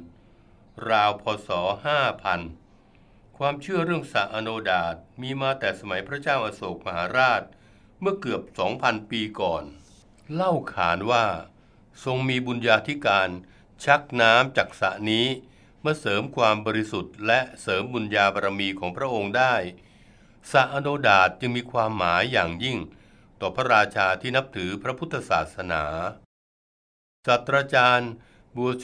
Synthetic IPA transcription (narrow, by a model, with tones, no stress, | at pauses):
ɾaː˧wpʰɔː˧sɔː˩˦haː˥˩pʰa˧n | kʰwaː˧mt͡ɕʰɯ˥˩ɐɾɯ˥˩əŋsa̰˨˩ʔa˧noː˧daː˨˩t̪̚miː˧maː˧t̪ɛː˨˩sa˧ma˩˦jpʰɾa˦˥t͡ɕaː˥˩wʔa˧soː˨˩k̚ma˧haː˩˦ɾaː˥˩t̪̚ | mɯ˥˩əkɯ˨˩əp̚sɔː˩˦ŋpʰa˧npiː˧kɔː˨˩n | la˥˩wkʰaː˩˦nwaː˥˩ | so˧ŋmiː˧bu˧njaː˧t̪ʰi˦˥kaː˧n | t͡ɕʰa˦˥k̚naː˦˥mt͡ɕa˨˩k̚sa̰˨˩niː˦˥ | mɯ˥˩sɤː˩˦mkʰwaː˧mbɔː˧ɾi˦˥su˨˩t̪̚lɛ˦˥ʔsɤː˩˦mbu˧njaː˧ba˧ɾa˧miː˧kʰɔː˩˦ŋpʰɾa˥ʔo˧ŋdaː˥˩j | sa˨˩ʔaː˧doː˧daː˨˩t̪̚t͡ɕɯ˧ŋmiː˧kʰwaː˧mːaː˩˦jːaː˨˩ŋji˥˩ŋ | t̪ɔː˨˩pʰɾa˦˥ɾaː˧t͡ɕʰaː˧t̪ʰiː˥˩na˦˥p̚t̪ʰɯː˩˦pʰɾa˦˥pʰu˦˥t̪ʰːa˧saː˨˩t̪̚sa˧naː˩˦ | saː˨˩t̪ʰɾaː˧t͡ɕaː˧n | bu˨˩